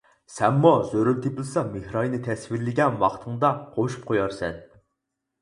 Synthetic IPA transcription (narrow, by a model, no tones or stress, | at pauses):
sɛmːuzøɾylt̪ʰeplˠɨsɑmehɾɑjnɨt̪ʰɛsvɪɾlɪɡʲɛnwɑ̰χt̪ʰɨŋd̪ɑqʰoʃu̥p̚qʰojɑɾsɛn